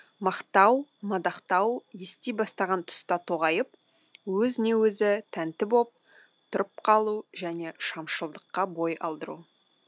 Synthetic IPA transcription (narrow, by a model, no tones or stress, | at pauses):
mɑqt̪ɑwmɑd̪ɑqt̪ɑwjest̪ejbɑst̪ɑʁɑnt̪ʰʊ̥st̪ɑt̪ʰoʁɑjəp̚ | wɵzɪne̞wɵzɪt̪ʰænt̪ɪbo̞p̚ | t̪ʰʊɾəp̚qʰɑlˠuʒæne̞ʃɑmʃəlˠd̪əqːɑbo̞jɑ̰lˠd̪əɾṵ